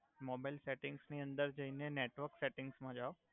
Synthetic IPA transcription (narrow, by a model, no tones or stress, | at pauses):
moːbaːɪlseːʈɪ̃ŋɡsnĩə̃nd̪əɾd͡ʒɐɦinẽneːʈʋəɾkseːʈɪ̃ŋɡsmãd͡ʒaːo